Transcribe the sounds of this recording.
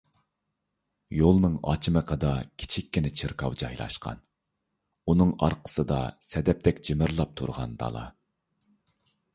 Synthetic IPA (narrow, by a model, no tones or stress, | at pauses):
jolˠnɨŋɑ̰t͡ʃʰiməqʰəd̪ɑkʲʰi̥t͡ʃʰikʲːinɪt͡ʃʰɪɾkʰɑwd͡ʒɑjlˠɑ̰ʃqɑ̰n | unɨŋɑ̰ɾqʰə̥sɨd̪ɑ̰sɛd̪ɛp̚t̪ɛkʲd͡ʒimɪɾlˠɑp̚t̪ʰṵɾʁɑ̰nd̪ɑ̰lˠɑ̰